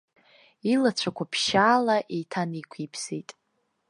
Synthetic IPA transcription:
ilat͡ɕʷʰakʷʰapʰʃaːlaʔejtʰanikʷʰipʰsejtʼ

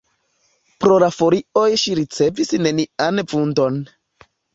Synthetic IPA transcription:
pɾo̞lafo̞ɾio̞jʃiɾit͡se̞visne̞nianvundo̞n

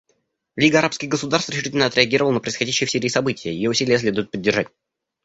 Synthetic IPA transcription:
lʲiɡəɐɾapskʲɪɣɡəsʊd̪arst̪vɾʲɪʃʂɨtʲɪlʲnəɐt̪ɾʲɪɐɡʲiɾəvəlˠənəpɾəɪsxɐdʲæɕːɪjəfsʲeɾʲɪːsɐbɨtʲɪjəjɪ̰joʊsʲilʲɪjəs̬lʲe̞d̪ʊjʊt̪̚pədʲːɪrʐatʲ

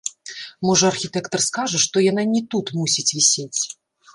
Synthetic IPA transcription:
mɔʐɐɐrxʲit̪ɛkt̪ɐrskaʐɐʂt̪ɔjan̪anʲɛt̪ut̪musʲit͡sʲvʲisʲet͡sʲ

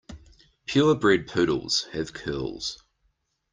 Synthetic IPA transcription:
pʰj̥ɔːbɹɛd̚pʰʉːˑɾə̰l̩ˠz̥əv̥kʰɜːlˠz̥

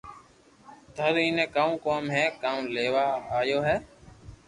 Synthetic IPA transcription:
d̪ʱəɾiːnẽːkaːũːkoːmɦɛːkaːũːleːʋaːaːjoːɦɛː

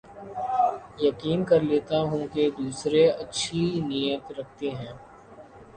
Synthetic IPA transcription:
jɐkiːnkɐɾleːt̪aɦũked̪uːsɾeɐtːʃʰinijət̪ɾɐk̚ʰt̪eɦɛ̃ː

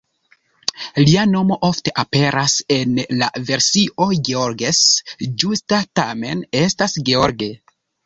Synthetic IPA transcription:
liano̞mo̞ʔo̞fte̞ʔape̞ɾʔase̞nla̰ve̞ɾsiʔo̞ɡeoɾɡesd͡ʒustatame̞ne̞stasɡeoɾɡe̞

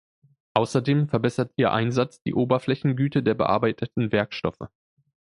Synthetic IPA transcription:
ʔaʊsɐdeːmfɛɐbɛsɐtʔiːɐʔa̰ɪnzat͡sd̥ḭːʔoːbɐflɛçn̩ɡyːtədeːɐbə̰ʔa̰ːɐbaɪtʰətn̩vɛɐkʃtɔ̰fə̰

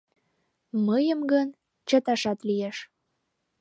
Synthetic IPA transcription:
məjəmɡən | t͡ɕət̪ɑʃɑt̪lijeʃ

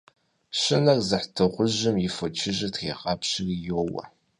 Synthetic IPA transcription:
ɕɪnɐrzɨħtʰɨʁʷʊʑɪmjɪfot͡ʃʰɪʒɐtʰχḛːqɑpɕɪrjoːwɐ̰

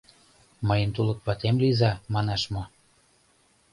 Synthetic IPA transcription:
məjənt̪ulɤ̆k̚βɑt̪emlizɑmɑnɑʃmo

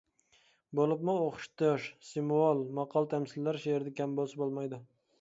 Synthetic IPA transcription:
bolˠɪpmʊoχʊ̥ʃt̪oʃsɪmuɑlˠmɑqʰːɑlˠt̪ʰamsɪlːæɾʃeeɾd̪ɛkʲʰambosɪbolˠmajd̪ɪ

